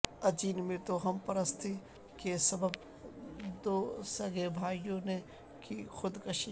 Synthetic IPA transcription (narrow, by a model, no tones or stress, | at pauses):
ɐd͡ʒiːnmẽt̪oɦɐmpɐɾəst̪ʰi | kesɐbəb | d̪oːsɐɡebʱaːijõne | kixʊd̪kɐʃi